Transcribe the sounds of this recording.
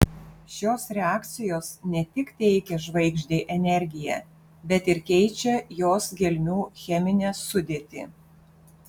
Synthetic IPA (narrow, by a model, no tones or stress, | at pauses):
ʃʲoːsɾʲɛɑːkt̪sʲɪjoːsnʲɛt̪ʲɪkt̪ʲɛɪkʲɛʒʋɐɪɡʒʲd̪ʲeːʔɛnʲɛɾʲɡʲɪjɛ̰ː | bʲɛt̪ɪɾkʲɛɪt͡ʃʲɛjoːsɡʲɛlʲmʲuːxʲɛmʲɪnʲeːsʊd̪ʲeːt̪ʲɪ